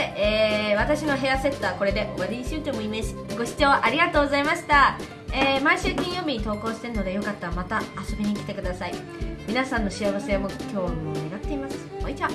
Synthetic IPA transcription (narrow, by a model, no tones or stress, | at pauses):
eeːβat̪aɕino̞ɦe̞jase̞t̪ːaːko̞ɾe̞d̪e̞βaɾʲiiɕɨːt͡ɕoːmoimeɕi̥ɡo̞ɕi̥t͡ɕo̞ːʔaɾʲiɡat̪o̞ːɡo̞zaimaɕi̥t̪a | eːmaiɕɨːkʲĩjo̞ːbʲiɲit̪o̞ːko̞ːɕi̥t̪e̞ɾɯno̞d̪ejokat̪ːaɾamat̪aːso̞bʲiɲ̟ikʲt̪e̞kɯ̟d̪asai | mʲinasãnːo̞ɕiaβase̞mo̞kʲo̞ːmʲineɡat̪ːe̞imasɨ̥moit͡ɕa